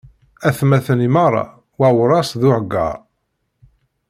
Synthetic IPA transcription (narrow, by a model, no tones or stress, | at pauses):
æθmæθənimɑɾˤːɑ̰ | wæwɾˤɑsðʊʕəɡːa̰